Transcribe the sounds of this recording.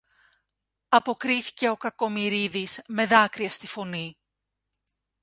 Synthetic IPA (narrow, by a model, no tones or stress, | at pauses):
ɐpo̞kɾiθi̥ce̞o̞kɐko̞miɾiðizme̞ðɐkɾiɐst̪ifo̞ni